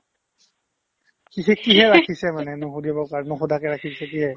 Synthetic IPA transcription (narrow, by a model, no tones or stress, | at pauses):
kiɦɛkiɦɛɹakʰisɛmanɛnʊɦudiabɔkaɹnʊxɔdakɛɹakʰisɛkiɦɛ